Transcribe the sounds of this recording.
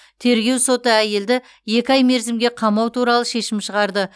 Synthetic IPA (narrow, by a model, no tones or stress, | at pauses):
t̪ʰe̞ɾɡʲe̞wso̞t̪əæje̞ld̪ɪ | je̞kʲɪɑjme̞ɾzɪmɡʲe̞qʰɑmɑwt̪ʰuɾɑlˠəʃe̞ʃɪmʃəʁɑɾd̪ə